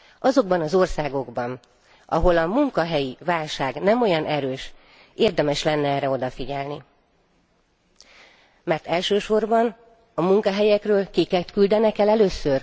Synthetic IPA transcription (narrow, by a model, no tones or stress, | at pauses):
ɒzo̞ɡ̚bɒnɒzo̞rsaːɡo̞ɡbɒn | ʔɒ̰ɦo̞lɒmuŋkɒɦɛjivaːlʃaːɡnɛmo̞jɒnʔɛɾøːʃ | eːrd̪ɛmɛʃlɛnːɛɛːrːɛo̞d̪ɒfiɟɛlni | mɛrt̪ɛlʃøːʃo̞rbɒn | ɒmuŋkɒɦɛjɛkrøːlkikɛt̪kyld̪ɛnɛkɛlɛløːsːør